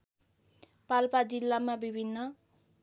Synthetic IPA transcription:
palpad͡zilːamabibʱinːʌ

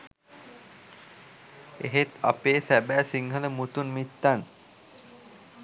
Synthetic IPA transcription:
ḛɦet̪a̰peːsæbæːsiŋɦələmut̪unmit̪ːan

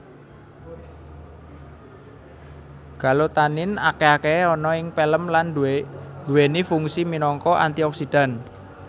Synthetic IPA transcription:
ɡ̥a̤lot̪anɪnakeakeɔnɔɪŋpeləmlandd̪̥uwenifuŋsiminɔŋkɔʔa̰nt̪iɔksid̪̥a̤n

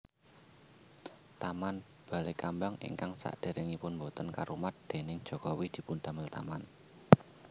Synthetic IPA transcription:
t̪aman | b̥a̤lekambaŋʔḭŋkaŋsa̰ʔd̪̥e̤ɾʔɪŋipʊnmbot̪ənkaɾumat̪̚d̪̥e̤nɪŋd̥ʒ̥ɔ̤kɔwid̪̥i̤pʊnd̪̥a̤məlt̪a̰man

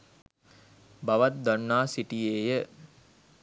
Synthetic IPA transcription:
baʋat̪̚d̪anːaːsiʈijeːjə

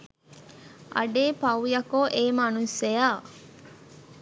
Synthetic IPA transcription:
ʔɐ̰ɖeːpɐwjɐkoʔeːmanusejaː

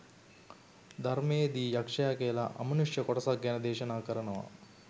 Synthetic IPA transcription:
d̪ʱɐɾmejd̪iːjakʂɐjakejlaʔɐ̰mɐnuʂjɐkoʈɐsakɡænɐd̪eːʃɐnaːkəɾɐnəʋɐ̰

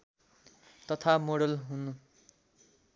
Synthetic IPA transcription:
t̪ʌt̪ʰamoɽʌlɦunu

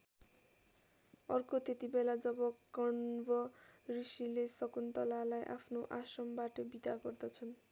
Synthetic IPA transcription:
ʌrkot̪et̪ibelad͡zʌbʌkʌɳbʌrisilesʌkunt̪ʌlalajʔa̰pʰnoʔasʌmbaʈʌbid̪aɡʌrd̪ʌt͡sʰʌn

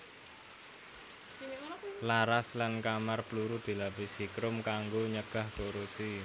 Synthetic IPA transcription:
laɾaslankamarpluɾud̪̥i̤labisikɾʊmkaŋɡoɲəɡ̥a̤hkoɾusi

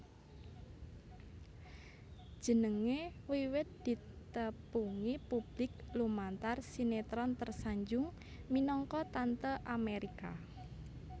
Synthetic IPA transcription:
d̥ʒ̥ə̤nəŋewiwɪt̪̚d̪̥it̪əpuŋipub̥lɪk̚lumant̪arsinet̪ɾɔnt̪ərsaɲd͡ʒʊŋ | minɔŋkɔt̪ant̪əʔameɾika

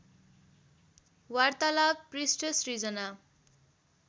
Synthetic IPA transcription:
wart̪alaɡ̚prisʈʌsrid͡zʌna

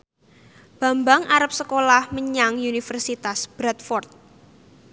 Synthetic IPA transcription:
b̥a̤mbaŋʔaɾap̚səkolahməɲaŋunifərsit̪asb̥ɾat̪̚fɔrt̪̚

